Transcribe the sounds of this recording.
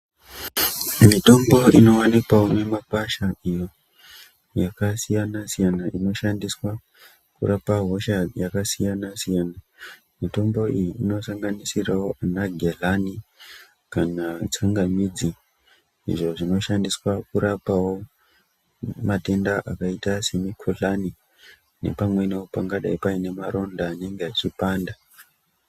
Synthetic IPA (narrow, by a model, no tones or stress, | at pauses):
mito̞mbo̞ino̞anikwaome̞mapaʃaijo̞ | jakasijanasijanaʔino̞ʃandiswa | kṵrapaɦo̞ʃajakasijanasijana | mito̞mbo̞ijiːno̞saŋɡanisirawo̞anaɡʱelani | kanat͡saŋɡamid͡zi | ḭʐo̞ʐino̞ʃandiswakuɾapawo | mate̞ndaʔakaitase̞mikʰoɮani | ne̞̰pamwe̞neopaŋɡaɗaipaine̞maɾo̞ndaːne̞ŋɡeat͡ʃipaːnda